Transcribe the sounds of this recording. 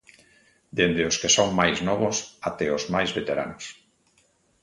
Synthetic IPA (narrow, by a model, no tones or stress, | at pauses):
d̪end̪eoskesoŋmajznɔβ̞ʊsat̪ɛozmajzβet̪eɾa̰nʊs